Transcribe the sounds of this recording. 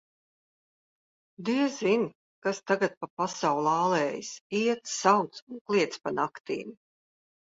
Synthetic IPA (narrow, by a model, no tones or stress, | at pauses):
d̪iɛzin | kast̪aɡat̪̚papasawlˠaːlˠɛːjisiɛt̪sawt̪sunklˠiɛt̪spanakt̪ḭːm